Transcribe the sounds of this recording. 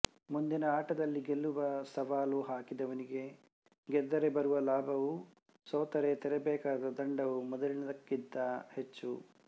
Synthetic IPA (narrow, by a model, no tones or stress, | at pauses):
mund̪inɐaːʈɐd̪ɐlːiɡelːuʋɐsɐʋaːluɦaːkid̪ɐʋɐniɡe̞ | ɡɛd̪ːɐɾebɐɾuʋɐlaːbʱɐʋu | sɔːt̪ɐɾet̪ɛɾɛbɛːkaːd̪ɐd̪ɐɳɖɐʋumɔd̪ɐlinɐd̪ɐkːid̪ːɐhet͡ʃːṵ